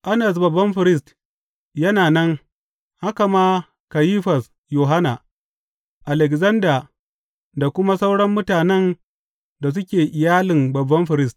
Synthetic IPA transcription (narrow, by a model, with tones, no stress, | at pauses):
ʔa˦nɐ˨s̬bɐ˨bːɐ˦mɸɪ˨ɾɪ˦s̬t | jɐ˦naː˨nɐ˦ŋ | ha˦ka˨maː˦ | ka˨jiː˦ɸɐ˨s | joː˨ɦa˦na˨ | ʔa˨lɛ˨kzɐ˦ndaː˨ | da˨kʷʊ˦ma˦sa˦wɽɐ˦mːʊ˦taː˨nɛ˦n | da˨s̬ʊ˦kʲeː˨ʔɪ˨jaː˦lɪ˨mbɐ˨bːɐ˦mɸɪ˨ɾɪ˦st